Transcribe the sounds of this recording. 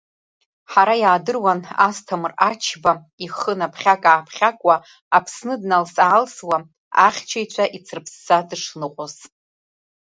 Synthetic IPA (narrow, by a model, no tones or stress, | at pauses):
ħaɾajaːdɨrwanastʰamrat͡ʃʰba | iχənapʰχʲakʼaːpʰχʲakʷʼa | apʰsnɨdnalsaːlswa | a̰χʲt͡ʃʰajt͡ɕʷʰaʔit͡sʰɨrpʰsːadɨʂnɨqʷʼoz